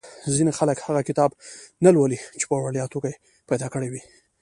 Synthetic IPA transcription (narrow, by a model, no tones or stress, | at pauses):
zinexaləkhaɣakɪt̪ɑbnalwəlit͡ʃe̥pəwaɽjɑt̪okaje | pajd̪ɑkəɽewi